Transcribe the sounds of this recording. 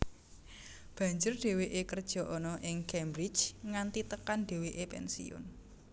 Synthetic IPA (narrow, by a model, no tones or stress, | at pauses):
b̥ä̤ɲd͡ʒʊrɖ̥e̤weʔekərd̥ʒ̥ɔ̤ʔɔnɔʔɪŋkɛmbɾi̥t͡ʃŋant̪it̪əkanɖ̥e̤weʔepɛ̰nsḭʊ̰n